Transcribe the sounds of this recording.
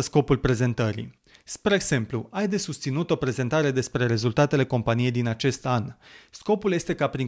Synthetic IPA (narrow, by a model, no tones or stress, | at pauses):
əsko̞pulpɾe̞ze̞nt̪əɾḭ | spɾeeɡz̥e̞mpluajd̪e̞sust̪sinut̪o̞pɾe̞ze̞nt̪aɾe̞d̪e̞spɾe̞ɾe̞zult̪at̪e̞le̞ko̞mpanije̞jd̪inat͡ʃe̞st̪ansko̞pulje̞st̪e̞kapɾiŋ